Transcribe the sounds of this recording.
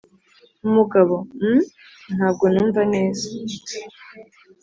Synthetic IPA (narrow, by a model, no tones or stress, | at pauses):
umuɡaβom̩ | n̥haːb̚ɡo̞nuːɱvaneːza